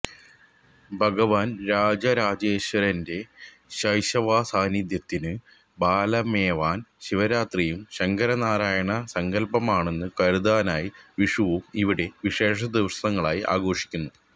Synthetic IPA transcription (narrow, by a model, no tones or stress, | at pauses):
bʱɐɡɐʋaːnɾaːd͡ʑɐɾaːd͡ʑeːɕwɐɾɐnde̞ | ɕɐjɕɐʋaːsaːnid̪jɐt̪ːinɨ | baːlɐmeːʋaːnɕiʋɐɾaːt̪rijumɕɐŋɡɐɾɐnaːɾaːjɐɳɐsɐŋɡɐlpɐmaːɳe̞nːɨkɐɾud̪aːnaːjiʋiʂuʋumiʋiɽe̞ʋiʂe̞ːʂɐd̪iʋɐsɐŋːɐɭaːjiʔa̰ːɡo̞ːʂi̥kʲːunːu